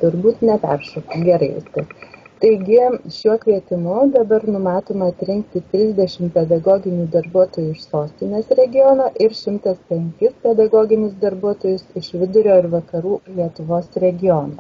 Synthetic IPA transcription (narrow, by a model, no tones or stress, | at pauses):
t̪ʊɾbuːt̪nʲɛpʲɛ̰rʃɐkɪɡʲɛɾɐɪʋʲɪ̰st̪ʲɪkt̪ɐɪɡʲɪʃʲuɔkʋʲiɛt̪ʲɪmʊd̪ɐbɐɾnʊmɑːt̪oːmɐɐt̪ʲɾʲɪŋkt̪ʲɪt̪ʲɾʲɪzʲd̪ʲɛʃʲɪmpʲɛd̪ɐɡoːɡʲɪnʲuːd̪ɐɾbuɔt̪oːjuːɪʃsoːsʲt̪ʲɪnʲeːsɾʲɛɡʲɪjoːnɐːʔɪɾʃʲɪmt̪ɐspʲɛŋʲkʲɪspʲɛd̪ɐɡoːɡʲɪnʲɪsd̪ɐɾbuɔt̪oːjʊsɪʃʋʲɪd̪ʊɾʲoːɪɾʋɐkɐɾuːlʲiɛt̪ʊʋoːsɾʲɛɡʲɪjoːnɐ